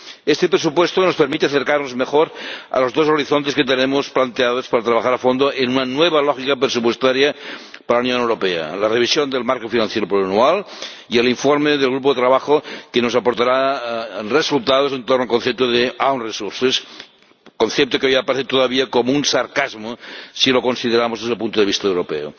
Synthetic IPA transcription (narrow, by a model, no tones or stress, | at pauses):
est̪epɾes̬upwest̪onospeɾmit̪eaθeɾkarnozmexoɾa̰lozðozoɾiθont̪esket̪enemosplant̪eaðospaɾat̪ɾaβaxaɾafond̪oʔenunanweβ̞alɔxikapɾesup̬west̪aɾjapaɾalaunjonewɾopea̰lareβ̞isjond̪elmaɾkofinãn̟θjeɾopɾoanual | ieliɱfoɾmeðelɣ̞ɾup̬oet̪ɾaβaxokenosapoɾt̪aɾa | resulˠt̪aðosent̪ornoalkonθep̚t̪oðeawnresuɾses | konθep̚t̪okeojiapaɾeθet̪oðaβiakomounsaɾkazmosilokonsiðeɾamozðezðelp̬unt̪oðeist̪aewɾopḛo̰